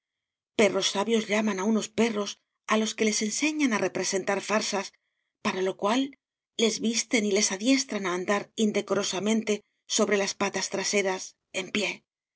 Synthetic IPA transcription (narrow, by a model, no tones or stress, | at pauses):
pe̞ro̞sːaβjo̞zʎamanauno̞spe̞ro̞s | alo̞ske̞le̞se̞nse̞ɲanarʔe̞pɾe̞se̞nt̪aɾfaɾsas | paɾalo̞kwalː | e̞zβist̪e̞nile̞saðje̞st̪ɾanaːnd̪aɾind̪e̞ko̞ɾo̞samẽ̞nt̪e̞ | so̞βɾe̞laspat̪ast̪ɾase̞ɾas | e̞mpje̞